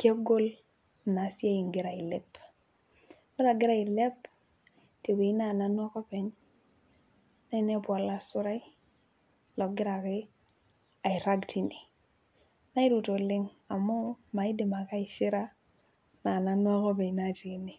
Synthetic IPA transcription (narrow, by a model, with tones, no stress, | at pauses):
ke˦ɡo˦l | na˨˦sja˦i˨ŋɡɪ˨ɾa˨i˨le˦p | no˦ɾa˨ɡɪ˦ɾa˨i˨le˦p | te˨we˨i˦na˦˨na˦nwa˦ko˦pe˨ɲ | na˦ne˦pwa˨la˨su˦ɾa˦i˦ | lɔ˨ɡɪ˦ɾa˨kɪ˦ | a˨i˨ɾa˦ɡti˦ni˨ | na˦i˦du˨to˨lɪ˦ŋ | a˨mo˦ma˨i˦di˨ma˨ka˦i˨ʃi˦ɾa˦ | na˨na˨˦nwa˦kɔ˦pe˨ɲna˦ti˨ni˨